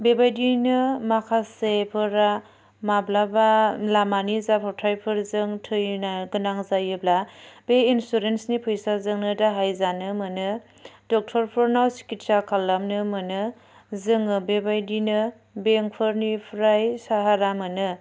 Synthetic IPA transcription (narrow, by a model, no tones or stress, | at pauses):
bebajdinɯmakʰasepʰɯɾa | mablabalamanizapʰɔɾtʰajpʰɯɾzɯŋtʰɯjnaɡɯnaŋzajɯblab̥einsuɾensnipʰɯjsazɯŋnɯdaɦajzanɯmɯnɯ | dɔk̚tʰɔɾpʰɯɾnawsi̥kit̚sakʰalːamnɯmɯnɯ | zɯŋɯbebajdinɯ | beŋk̚pʰɯɾnipʰɾajsaɦaɾamɯnɯ